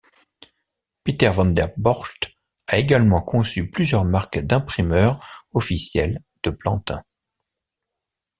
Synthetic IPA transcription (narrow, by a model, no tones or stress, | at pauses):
pit̪ɛʁvɑ̃nd̪ɛʁbɔʁʃt̪ | aeɡalmɑ̃kɔ̃syplyzjœʁmaʁkd̪ɛ̃pχimœʁɔfisjɛl | d̪̥əplɑ̃t̪ɛ̰̃